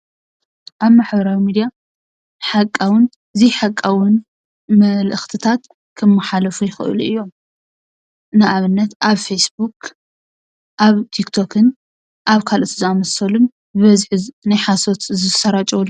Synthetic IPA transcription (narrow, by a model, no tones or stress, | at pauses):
ʔaβmaħbɐɾawimid̪ija | ħakʼːawn | ziħakʼːawʊn | mɐlʔɨxt̪ʰɨt̪ʰat̪ | kʰɨmːaħalɐfujɪxɨ̰ʔɨ̰luɨjːo̞m | nɨʔaβɨnːɐt̪ʔaβfesbuk | ʔaβt̪ʰikt̪ʰo̞kʰɨn | ʔaβkʰalʔot̪ʰziamɐsɐlun | bɨβɐzħɨnajħasot̪zɨsɐɾat͡ʃʼɐwlː